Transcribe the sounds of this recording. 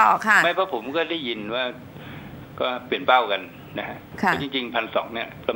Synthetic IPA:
ɔː˨˩kʰa˩˥˩ma˥˩jpʰɔ˦˥˩pʰo˩˦mkɔː˥˩da˥˩jːi˧nwaː˥˩ | kɔː˥˩pli˨˩ənpa˥˩wka˧n | na˦˥kʰa˦˥ʔʰt͡ɕi˧ŋt͡ɕi˧ŋpʰa˧nsɔ̰ː˩˦ŋni˥˩ɐɾa˧

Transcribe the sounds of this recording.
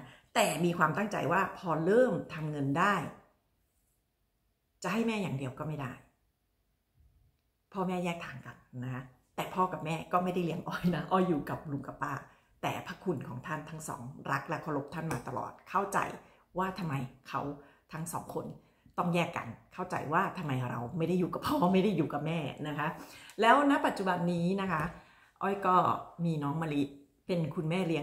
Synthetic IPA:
t̪ɛː˨˩miː˧kʰwaː˧mt̪a˥˩ŋt͡ɕa̰˧jwaː˥˩pʰɔː˧ɾɤː˥˩mt̪ʰa˧mŋɤ˧ndaː˥˩j | t͡ɕa˨˩ʔha˥˩jmɛː˥˩jaː˨˩ŋdi˧əwkɔː˥˩ma˥˩jdaː˥˩j | pʰɔː˥˩mɛː˥˩jɛː˥˩k̚t̪ʰaː˩˦ŋka˨˩p̚na˧˦kʰa˦˥ | t̪ɛː˨˩pʰɔː˥˩ka˨˩p̚mɛː˥˩kɔː˥˩ma˥˩jda˥˩jli˦əŋʔɔː˧˩jna˦˥ʔɔː˧˩jːuː˨˩ka˨˩p̚lu˧ŋka˧˩paː˥˩ | t̪ɛ̰ː˨˩pʰa˦˥kʰu˧nkʰɔː˩˦ŋt̪ʰa˥˩nt̪ʰa˦˥ŋsɔ̰ː˩˦ŋɾa˦˥k̚la˦˥kʰɔ˧lo˦˥p̚t̪ʰa˥˩nmaː˧t̪a˧lɔ̰ː˨˩t̪̚kʰa˥˩wt͡ɕa̰˨˧˩j | waː˥˩t̪ʰa˧mːa˧jkʰa˦˥wt̪ʰa˦˥ŋsɔ̰ː˩˦ŋkʰo˧n | t̪ɔ˥˩ŋjɛː˥˩kːa̰˧nkʰa˥˩wt͡ɕa̰˨˩jwaː˥˩t̪ʰa˧mːa˧jɾa˧wma˥˩jda˥˩jːuː˨˩ka˨˩pʰɔː˥˩ma˥˩jda˥˩jːuː˨˩ka˨˩p̚mɛː˥˩na˦˥kʰa˦˥lɛː˦˥wna˦˥pa˨˩t̪̚t͡ɕu˨˩ba˧nːiː˦˥na˦˥kʰa˦˥ | ʔɔː˧˩jkɔː˥˩miː˧nɔː˦˥ŋma˧li˦˥ʔ | pe˧nkʰu˧nmɛː˥˩li˦˥əŋ

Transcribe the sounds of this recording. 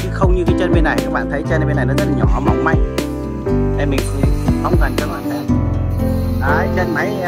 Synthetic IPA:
t͡ɕɨ˨˦xə˧wŋ͡mɲɨ˧kaː˨˦jt͡ɕə˧nmi˧nːa˨˩jka˦˥k̚ɓa̰ː˧˨nt̪ʰə˨˦jt͡ɕə˧n˧i˧nːa˨˩jnɔ˨˦zə˦˥t̚a˨˩ɲɔ˧˩˨ma˨˧˩wŋ͡mma̰˧˨jŋ̟ | ɗʰe˨˩mï̟˨˩xi˨˦˧hə˧wŋ͡mkə˨˩nt͡ɕɔ˨˦laː˧˦ɛ˦˥t̚ | ʔaː˨˩t͡ɕə˧nma˨˦j

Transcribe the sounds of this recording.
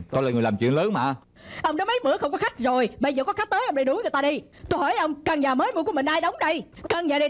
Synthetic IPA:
ɗ̪o˧laː˨˩ŋ˨˩jlaː˨˩mt͡ɕwḭ˧˨əŋləː˨˦nma̰ː˧˨ | ʔə˧wŋ͡mnɔ˨˦jmə˨˦jmɨ̰˧˥əxə˧wŋ͡mkɔ˨˦xa˦˥jk̟̚zo˨˩jɓə˧jzəː˨˩kɔ˨˦xa˦˥k̚t̪əː˨˦jʔə˧ŋ͡mɗa˧˩ɗʊ˨˦ŋɨ˨˩jt̪aː˧ɗi˧ | t̪o˧jhɔ˧˩jʔə˧wŋ͡mka˧˩ŋɲaː˨˩məː˨˦jmu˧˩ku˧əmï˨˩ŋ̟ʔaː˧jɗə˨˦wŋ͡mɗə˧jkə˧˩ŋɲaː˨˩ɗi˧˩

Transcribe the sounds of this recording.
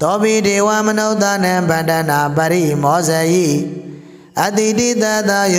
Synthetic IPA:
t̪ɔ˦bi˦˨de˨wa˦˨mə˨no˦ʊt̪a˦nã˨bã˨ndã˨na˨bə˨ɾi˦˨mɔ˨˦zɛ˨ʔḭ˦˨ | ʔə˦˨t̪i˨di˦˨t̪a˦˨d̪a˦j

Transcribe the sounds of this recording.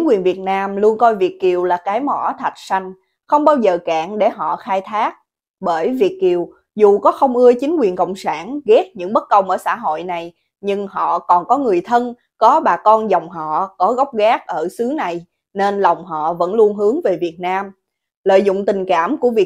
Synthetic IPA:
t͡ɕi˨˦ŋ̟kwi˨˩ənvi˨˩ət̚naː˧mlu˧ənkɔ˧jvi˨˩ək̚ki˨˩əwlaː˨˩kaː˨˦jmɔ̰˧˩t̪ʰa˨˩jt̟̚sa˧jŋ̟ | xə˧wŋ͡mɓaː˧wzəː˨˩kaː˧˨ŋɗe˧˩ɦɔ̰˧˨xaː˧jt̪ʰaː˦˥k̚ | ɓəː˧˩jvi˨˩ək̚ki˨˩əw | zu˨˩kɔ˨˦xə˧wŋ͡mʔɨ˧ət͡ɕï˨˦ŋ̟kwi˨˩ənkə̰˧˨wŋ͡msaː˧˩nɣɛ˦˥t̚ɲɨ̰˧˥ŋɓə˦˥t̚kə˧wŋ͡mʔəː˧˩sa̰ː˧˥ɦo̰˧˨jna˨˩j | ɲɨ˧ŋɦɔ̰˧˨kɔ˨˩nkɔ˨˦ŋɨ˨˩əjt̪ʰə˧n | kɔ˨˦ɓaː˨˩kɔ˧nzɔ˨˩wŋ͡mɦɔ̰˧˨kɔ˨˦ɣɔ˦˥wk͡p̚ɣaː˦˥k̚ʔəː˧˩sɨ˨˦na˨˩j | ne˧nla˨˩wŋ͡mɦɔ̰˧˨və̰˧˥nlu˧ənɦɨ˨˦əŋve˨˩vi˨˩ət̚naː˧m | lə̰ː˧˨jzʊ̰˧˨ŋ͡mt̪ï˨˩ŋ̟kaː˧˩mku˧˩əvi˨˩

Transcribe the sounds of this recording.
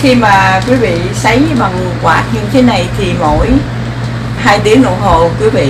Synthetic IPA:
xi˧maː˨˩kwi˨˦vḭ˧˨sə˨˦jɲ˧ma˨˩ŋɨ˨˩əkwaː˨˩t̚ɲɨ˧t̪ʰe˨˦na˨˩jt̪ʰi˨˩mo̰˧˥j | ɦaː˧jt̪i˨˦əŋno̰˧˨ɦo˨˩kwi˨˦vḭ˧˨

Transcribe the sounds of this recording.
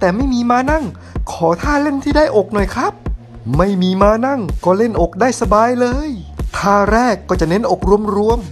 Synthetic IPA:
t̪ɛː˨˩ma˥˩jmiː˧maː˧na˥˩ŋ | kʰɔː˩˦t̪ʰaː˥˩le˥˩nt̪ʰiː˥˩daː˥˩jʔo˨˩k̚nɔ˨˩jkʰɾa˦˥p̚ | ma˥˩jmiː˧maː˧na˥˩ŋkɔː˥˩le˥˩nʔo˨˩k̚daː˥˩jsa˧baː˧jlɤː˧jt̪ʰaː˥˩ɾɛː˥˩kːɔː˥˩t͡ɕa˨˩ne˦˥nʔo˨˩k̚ɾu˧əmɾu˧əm

